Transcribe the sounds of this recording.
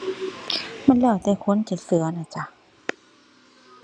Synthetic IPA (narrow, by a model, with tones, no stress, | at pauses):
ma˧˥˨nlɛː˧˩wt̪ɛː˧˩kʰo˧˥˨nt͡ɕi˨˩sɯ˨˩˦ɐna˧˩t͡ɕʰa˧˩